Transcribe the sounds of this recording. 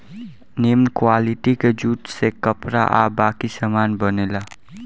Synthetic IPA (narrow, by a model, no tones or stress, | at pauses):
nemkwaliʈikad͡ʒuʈsekʌpɾa̰ʔabakisamanbʌnela